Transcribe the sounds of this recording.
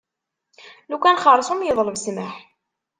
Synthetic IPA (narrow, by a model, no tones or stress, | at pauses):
lukænχɑɾˤsˤumjəðˤləvsməħ